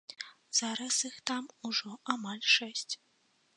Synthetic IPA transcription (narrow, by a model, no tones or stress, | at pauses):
z̥aɾɐsixt̪amuʐɔamalʲʂɛsʲt͡sʲ